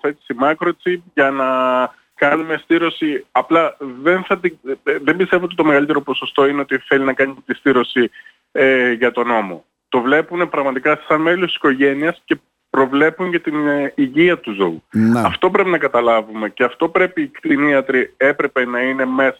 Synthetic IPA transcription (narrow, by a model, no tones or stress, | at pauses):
θet̪i̥simɐkɾo̞t͡sipʝɐnɐ | kɐnume̞st̪iɾo̞siɐplɐðe̞nθɐt̪iðe̞mbist̪e̞voot̪it̪o̞me̞ɣɐlit̪e̞ɾo̞po̞so̞st̪o̞ine̞o̞t̪iθe̞linɐkɐnit̪ist̪iɾo̞si | ʝɐt̪o̞no̞mo̞̰ | t̪o̞vle̞punepɾɐɣmɐt̪ikɐsɐnmelosti̥si̥ko̞ʝe̞niɐsce̞ | pɾo̞vle̞puɲʝɐt̪iniʝiɐt̪uzo̞uɐft̪o̞pɾe̞pinɐkɐt̪ɐlɐvume̞ce̞ɐft̪o̞pɾe̞piːkt̪iniɐt̪ɾie̞pɾe̞pe̞nɐine̞me̞sɐ